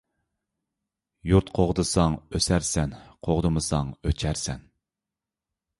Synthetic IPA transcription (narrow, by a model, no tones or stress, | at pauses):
juɾt̪qʰoʁd̪ɨsɑŋøsæɾsɛnqʰoʁd̪ɨmɨsɑŋøt͡ʃʰæɾsɛn